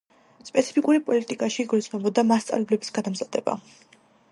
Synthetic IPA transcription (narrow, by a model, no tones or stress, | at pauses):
spʼɛt̪sʰi̥pʰikʼuɾipʼɔlit̪ʼikʼaʃiːɡɔɾit̪smɛbɔd̪amast̪sʼa̰vlɛblɛbisɡad̪amzad̪ɛba̰